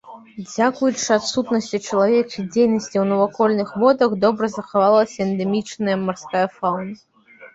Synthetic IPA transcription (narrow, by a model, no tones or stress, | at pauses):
d͡zʲakujut͡ʂɨat̪sut̪nɐsʲt͡sʲit͡ʂɐlˠavʲɛt͡ʂɨd͡zʲejnɐsʲt͡sʲiwnɐvakɔlʲnɨxmɔd̪ɐɣd̪ɔbɾɐzɐxavalˠɐsʲɐɛnd̪ɛmʲit͡ʂnɐjɐmarskajɐfawnɐ